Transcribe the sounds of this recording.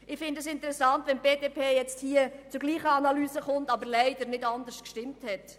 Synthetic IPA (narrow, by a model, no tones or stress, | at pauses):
ɪχfɪndəsɪntəɾɛsɑntʋɛnb̥eːdeːpʰeːjɛt͡sthiːət͡sʊɡliːχəɑnɑlyːsəχʊntɑbəɾlɛɪdəɾnɪdɑndəskʃtɪmthɛt